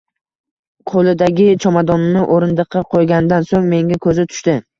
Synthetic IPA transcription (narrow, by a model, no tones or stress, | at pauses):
qʰolˠɪd̪aɡʲɪt͡ʃʰɒmad̪ɒnːɪʔoɾɪnd̪ɨqʰːɑqʰojɡʲand̪ansoŋme̞ŋʲakʰɵzɪt̪ʰʊ̥ʃt̪ɪ